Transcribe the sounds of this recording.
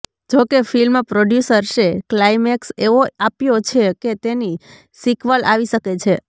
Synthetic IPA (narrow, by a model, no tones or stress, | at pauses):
d͡ʒokefilmãpɾoɖjusəɾʃeklaimekseʋoapjot͡ʃʰeket̪eni | sikʰʋalʔaʋiʃəket͡ʃʰe